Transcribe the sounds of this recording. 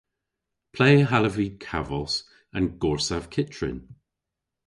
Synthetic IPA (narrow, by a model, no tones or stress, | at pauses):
pʰl̥eːɦaləvikʰavɔs | ə̃nɡ̥ɔɹsav̥kʰɪt͡ʃɹ̥ɪ̰n